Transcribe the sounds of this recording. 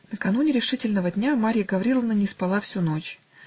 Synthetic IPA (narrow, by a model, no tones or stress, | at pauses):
nəkɐnunʲɪɾʲɪʂɨtʲɪlʲnəvədʲnʲamaɾʲɪjəɡəvɐɾʲilˠəvnənʲɪspɐlˠafsʲuno̞t͡ɕ